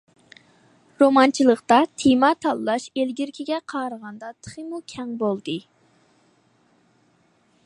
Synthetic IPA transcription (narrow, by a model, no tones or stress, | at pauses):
ɾomɑnt͡ʃʰilˠəqt̪ɑt̪ʰimɑt̪ʰɑlˠːɑʃelɡʲiɾkʲʰiɡʲɛqʰɑːɾəʁɑnd̪ɑt̪ʰə̥χimukʲʰɛŋbolˠd̪ɨ